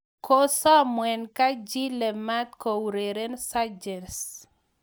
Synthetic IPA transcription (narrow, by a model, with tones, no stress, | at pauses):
kʰo˦sɔ˦mwɛ˨nka˦d͡ʒi˦lɛ˨ma˦t̪̚ko˨ɾe˨ɾe˦nsa˦d͡ʒɛ˨ns